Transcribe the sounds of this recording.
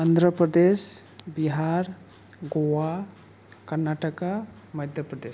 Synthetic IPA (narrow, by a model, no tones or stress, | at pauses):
and̪ʱɾəpɾəd̪esbiɦaɾ | ɡowa | kəɾnaʈaka | məjd̪ʱjəpɾəd̪es